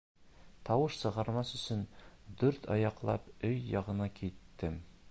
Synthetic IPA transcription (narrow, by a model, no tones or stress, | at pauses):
t̪ɒwɤʃsɤ̆ʁɑɾmɑsɵ̆sɵnd̪ʉɾt̪ʰɒ̰jɑqlˠɑ̰pɵjːɒʁɤ̆nɑkit̪ːɘm